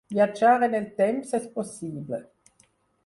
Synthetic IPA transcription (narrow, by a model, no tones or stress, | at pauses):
vjad͡ʒaːʁenɛlt̪ɛmpsɛsposiːblə̰